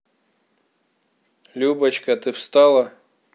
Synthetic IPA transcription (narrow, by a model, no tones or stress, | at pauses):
lʲubɐt͡ɕkɐt̪ɨfst̪alˠɐ